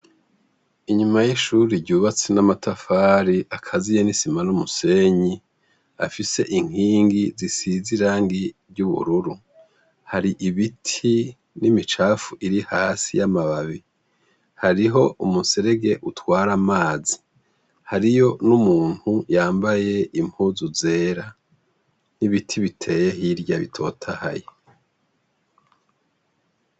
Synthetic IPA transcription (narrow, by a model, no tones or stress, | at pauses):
iɲumajiʃuːɾiɟuːβat͡senamatʰafaːɾiʔakʰazijenisimanumuse̞ɲi | a̰fise̞ʔiŋ̥iːŋɡizisiziɾaːŋɡiɾɟuβṵɾuɾu | haɾiʔiβitʰi | nimit͡ʃaːfuʔiɾihaːsijamaβaβi | haɾiɦo̞ʔumuseɾe̞ɡe̞ʔutwaːɾamaːzi | haɾijo̞numuːn̥hujaːmbaje̞ʔimhuːzuze̞ːɾa | niβitʰiβitʰe̞je̞ɦiɾɟaβḭtʰo̞̰ːtʰaha̰je